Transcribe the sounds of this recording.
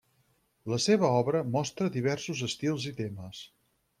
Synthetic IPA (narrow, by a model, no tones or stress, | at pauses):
ləseβ̞əɔβɾəmɔst̪ɾəðiβ̞ɛɾsuzəst̪ilˠzit̪eməs